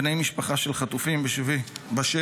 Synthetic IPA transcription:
nejmiʃpaχaʃelχat̪ufimbeʃvibaʃe

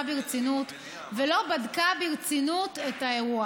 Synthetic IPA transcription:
biʁt͡sinut | velo̞badkabiʁt͡sinutetaeʁua

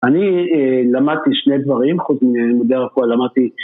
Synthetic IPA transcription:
anielamad̪̚t̪iʃned̪vaʁimχut͡sminmod̪eʁafualamad̪̚t̪i

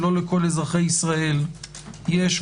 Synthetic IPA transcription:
lo̞leko̞lezʁaχejisʁae̞l | jeʃ

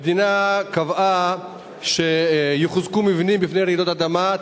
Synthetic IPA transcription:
d̪inakava | ʃejiχzkumivnimbifnejɾeid̪ot̪ad̪ama

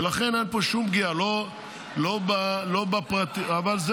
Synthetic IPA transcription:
laχe̞nenpoʃumbɡialo | lo̞balo̞bapʁat̪iavalz

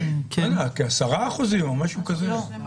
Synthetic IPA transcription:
kalakiasaʁaːχuzimamaʃukazelo

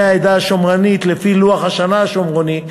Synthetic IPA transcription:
ajd̪aʃomʁanit̪lefiluaχhaʃanaːʃomʁoni

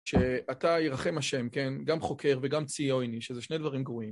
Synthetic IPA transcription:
ʃeataiʁaχe̞maʃe̞mke̞nɡamχo̞kʰe̞ʁveɡamt͡sio̞jniʃezeʃne̞jd̪vaʁimɡvuim

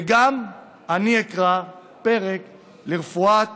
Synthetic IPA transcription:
eɡam | aniekʁa | pe̞ʁek | leʁefua

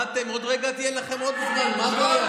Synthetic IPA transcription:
at̪emo̞d̪ʁeɡat̪ijelaχemo̞d̪̚miχnamaboa

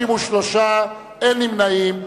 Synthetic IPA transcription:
imuʃloʃa | enimnajim

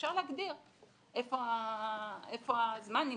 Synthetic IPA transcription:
ʃaʁleaɡd̪iʁ | ʔefoa | efoazmani

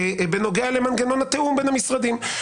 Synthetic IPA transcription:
beno̞ɡealemanɡeno̞nat̪eumbenamisʁad̪im

